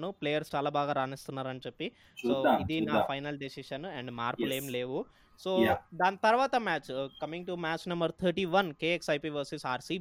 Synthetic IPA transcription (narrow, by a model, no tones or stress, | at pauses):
nupleːjɐɾst͡ʃaːlaːbaːɡaːɾaːnist̪unːaːɾɐnt͡ʃepːi | soːid̪inaːfʰɐjnɐlɖisiʃɐnɛɳɖmaːɾpleːmleːʋu | soːd̪aːnt̪ɐɾʋaːt̪ɐmaːt͡ʃkɐmĩŋʈumæːt͡ʃnɐmbɐɾt̪ʰɐɾʈiːʋɐnkeːeksɐjpiːʋɐɾsisaːɾsi